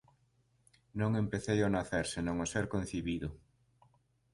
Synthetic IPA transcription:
nõŋẽmpeθejonaθeɾsenõŋoseɾkõnθiβiðʊ

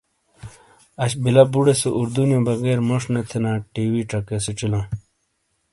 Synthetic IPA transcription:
ɐɕbilɐbuɽeseʔuɾd̪unjõbɐɡeːɾmoʂnet̪ʰenãːʈiːwiʈɐkeset͡ɕilãː

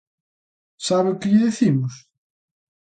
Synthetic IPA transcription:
saβeʊkɪʎɪðeθimʊs

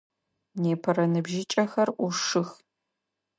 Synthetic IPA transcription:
neːpʰɐɾɐnɨbʒɪt͡ʃʼɐxɐrʔʷʊʂɨx

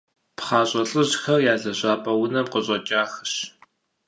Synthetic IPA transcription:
pχɑːɕʼɐɬʼɨʑxɐrjaːɮɐɕʼaːpʼɐwʊnɐmqəɕʼɐt͡ʃʼaːxɕ

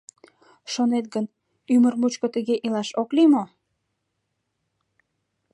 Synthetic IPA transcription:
ʃonet̪̚ɡən | ymərmut͡ɕkət̪əɣeʔilɑʃoklimo

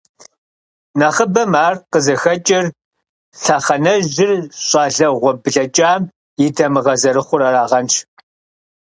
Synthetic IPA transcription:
nɐχəbɐmaːrqəzɐxɐt͡ʃʼɪr | ɬaːχɐnɐʒʒɪrɕʼɑːɮɐʁʷɔbɨɮɐt͡ʃʼaːm | jɪtʰɐmɨʁɐzɐɾɨχʷʊɾɐɾaːʁɐnʃ

